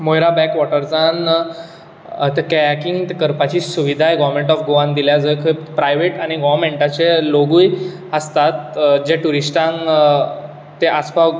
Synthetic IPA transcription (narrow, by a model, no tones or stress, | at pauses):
mojɾabɛkʋɔʈəɾd͡zan | t̪kɛkiŋkəɾpat͡ɕiːsuʋid̪ʱajɡɔʋɾmẽɳʈɔfɡoʋãnd̪iljad͡zəjkʰəpɾajʋeʈaɽ̃iɡɔʋɾmeɳʈat͡ɕeloɡuj | əst̪at̪d͡ʑeʈuɾisʈãŋ | eʔaspa